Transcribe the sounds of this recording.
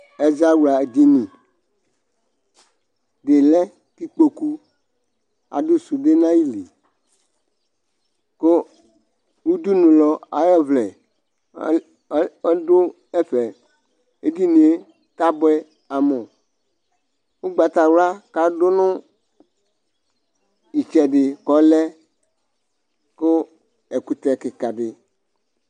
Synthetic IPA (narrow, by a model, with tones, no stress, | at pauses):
ɛ˨za˦wu˨la˨d̪i˨nĩ˨ | de˨lɛ˦ | t̪i˦k͡po˨ku˦ | a̰˨do˦su˨ɖe˦nã˦ji˦lḭ˨ | ko˦ | wu˦d̪u˦nũ˨lɔ˨a̰˨jɔ˦vlɛ˨˦ | do˦ | ɛ˦ɸɛ˨ | e˦di˦nĩ˨e˦ | ta˦bɔ˦ɛ˦ | a˨mɔ˨ | wu˦ɡ͡ba˨t̪a˨wla˦ka˦dʊ˦nʊ̃˦ | i˨t͡ʃɛ˨ɖɪ˨kɔ˨˦lɛ˦ | kʊ˦ | ɛ˨ku˨t̪ɛ˨kɪ˨ka˨ɖɪ˨